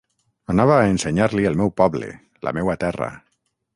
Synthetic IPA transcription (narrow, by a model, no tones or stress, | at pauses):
anaβ̞aːenseɲaɾliəlˠmɛwpɔβlḛ | lʔa̰mɛwat̪ɛra̰